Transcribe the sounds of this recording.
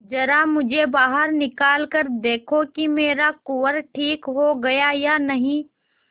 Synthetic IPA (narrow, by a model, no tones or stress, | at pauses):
d͡ʒɐɾamʊd͡ʒʱebaːɦəɾnɪkaːlkəɾd̪eːkʰokimeːɾakoːəɾʈʰiːkɦoɡɐjajanɐɦĩː